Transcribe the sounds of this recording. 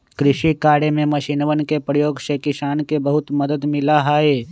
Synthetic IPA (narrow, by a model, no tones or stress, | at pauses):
kɾɪʃikaːɽemẽməʃinʋənkepɾəjoːɡsekɪsaːnkebəɦʊt̪məd̪əd̪mɪlaɦaːeː